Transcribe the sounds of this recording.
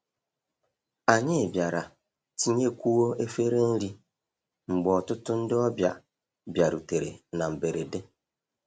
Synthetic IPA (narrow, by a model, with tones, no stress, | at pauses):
a˨ɲɪ˦˨bja˨ɾa˨ | ti˦ɲe˦kʷu˦wo˦e˦fe˦ɾe˦n̩˦ɾi˦ | ŋ͡m̩˨ɡ͡bɔ˨tʊ˦tʊ˦n̩˦dɪ˦ɔ˦bja̰˨ | bja˨ɾu˨te˨ɾḛ˨na˨m̩˨be˨ɾe˨de˦